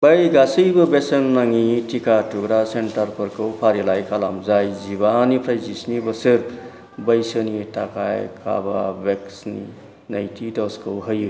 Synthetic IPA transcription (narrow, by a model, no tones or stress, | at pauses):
bajɡasɯjbɐbesenːaŋitʰikatuɡɾasentaɾpʰɔɾkʰɯwpʰaɾilajkʰalamzajzibanipʰɾajzisnibɐsɯɾ | bɐjsɯnitakʰa̰jkʰa̰ba̰beksnḭ | najtʰidɔskʰɯwɦɯju